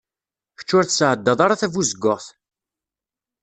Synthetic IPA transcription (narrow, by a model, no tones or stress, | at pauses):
çə̥t͡ʃːʊɾθsʕəd̪ːɑðˤɑɾˤaθævuzəɡːʊʁθ